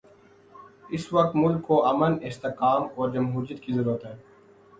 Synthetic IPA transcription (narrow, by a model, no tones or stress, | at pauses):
ɪswɐq̚t̪mʊlkːoʔɐmənɪst̪eqaːmɔːɾd͡ʒɐmɦuːɾijət̪̚kizɐɾuːɾət̪ɦɛ̃ː